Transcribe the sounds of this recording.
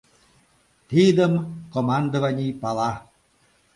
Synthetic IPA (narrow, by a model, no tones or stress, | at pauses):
t̪id̪əmkomand̪ovanʲipɑlˠɑ